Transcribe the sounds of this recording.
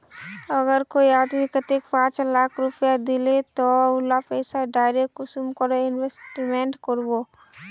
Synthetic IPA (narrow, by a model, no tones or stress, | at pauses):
ɐɡəɾkoiaːd̪mikət̪ekpãːt͡ʃlaːkʰɾʊpjad̪ɪlet̪oʊlapɛːsaɖaːɪɾek̚ʈʊsumkəɾoɪnwesʈmẽɳʈkəɾwoː